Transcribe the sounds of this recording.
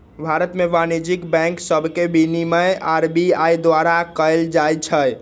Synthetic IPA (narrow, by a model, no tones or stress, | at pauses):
bʱaɾət̪meʋanid͡ʒikbɛ̃ŋksəbʱkebʱiniməjaɾbiajd̪ʋaɾakəeld͡ʒajt͡ʃʰəj